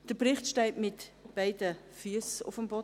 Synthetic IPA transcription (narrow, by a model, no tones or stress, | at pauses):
d̥əpʁɪχtʃtɛɪtmɪtb̥aɪdə | fyəsʊ̰fəmbɔ